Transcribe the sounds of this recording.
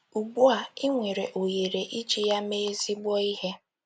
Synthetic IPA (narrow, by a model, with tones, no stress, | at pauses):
u˨ɡ͡bu˦a˨ɪ˦ŋʷe˨ɾe˨ʔo˨je˨ɾe˨ʔi˦t͡ʃi˦ja˦me˦zi˦ɡ͡bɔ˦i˦ɦe˦